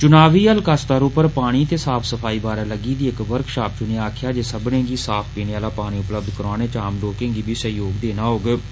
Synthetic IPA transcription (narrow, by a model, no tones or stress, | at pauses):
t͡ʃʊnaːʋiːəlkast̪aːɾuːpəɾpaːɽ̃iːt̪eːsaːpʰsəpʰaːiːbaːɾaːləɡiːd̪iːɪkʋəɾkʃaːp̚t͡ʃʊniaːkʰjaːd͡ʒeːsəbnẽːɡiːsaːpʰpiːɽeaːlaːpaːɽ̃ĩːʊpləbd̪kəɾaːñeːt͡ʃaːmloːkẽːŋɡiːbʱiːsəɦjoːɡd̪eːnaːɦoːɡ